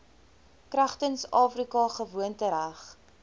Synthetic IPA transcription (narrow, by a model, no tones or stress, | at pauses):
kræχtənsɑːfrikɑχəvuəntəɾæχ